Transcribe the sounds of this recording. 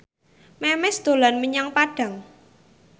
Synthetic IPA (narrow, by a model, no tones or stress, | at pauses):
mɛmɛsd̪̥o̤lanməɲaŋpaɖ̥ä̤ŋ